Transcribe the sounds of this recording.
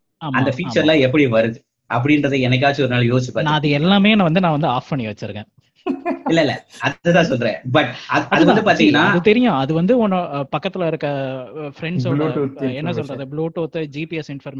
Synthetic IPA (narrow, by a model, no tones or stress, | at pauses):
aːmɐnd̪ɐfiːt͡ʃɐɾlãːɛpːɐɽiʋɐɾɯðɯ | ʔɐp̬ːɐɽɪnɾɐðɯɛnɐk̬ːaːt͡ʃːɯɔɾɯnaːljoːsɪt͡ʃːɯpːaːɾnãːɐðɯɛlːaːmeːnãːʋɐnd̪ɯnãːʋɐnd̪ɯaːfɐɳiʋɐt͡ʃːɪɾɯkḛ̃ː | ɪlːɐɪlːɐ̰ɐððɐt̪ãːsɔlːɾḛ̃ːbɐʈːɐɐɐðɯʋɐd̪ɯpaːɾt̪iːŋɡɐnːaːɐðɯt̪ɛɾɪjãɐðɯʋɐnd̪ɯɔnːɐpɐkːɐt̪ːɪlaːɪɾɯkːɾɐfɾɛɳɖsɔuɛnːɐsɔlːɾɐðɯbluːʈoːt̪ːɯd͡ʒiːpiɛsɪɳɖfɐɾm